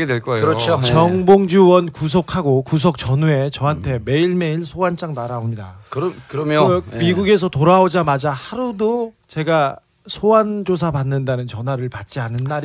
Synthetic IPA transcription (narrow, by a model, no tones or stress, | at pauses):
edweɭk͈ʌɾʌt͡ɕʰot͡ɕʌŋboŋd͡ʑuwʌnkus̬ʰokʰaɡokus̬ʰʌk̚t͡ɕʌnue̞t͡ɕʌɦantʰe̞me̞iɭme̞iɭsʰowant͡ɕ͈aŋnaɾaomɲida̰kɾkɯɾʌmmiɡuɡe̞s̬ʰʌtoɾaod͡ʑamad͡ʑahaɾudo | t͡ɕe̞ɡa | sʰowand͡ʑos̬ʰapanːɯndanɯnt͡ɕʌnwaɾɯɭpat̚t͡ɕ͈ianɯnːaɾ